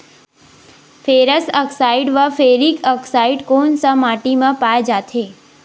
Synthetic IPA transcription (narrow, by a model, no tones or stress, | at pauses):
fʰeɾəsəksaiɖʋafeɾikəksaiɖkoːnsəmaʈimãpaed͡ʒat̪ʰe